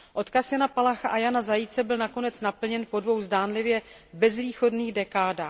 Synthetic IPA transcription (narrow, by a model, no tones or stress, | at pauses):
ʔo̞t̪kasjanapalaxaʔajanazajɪt͡sɛbɪlnako̞nɛt͡snapl̩ɲɛnpo̞dvo̞wzdaːnlɪvjɛ | bɛzviːxo̞dniːɣdɛkaːdaː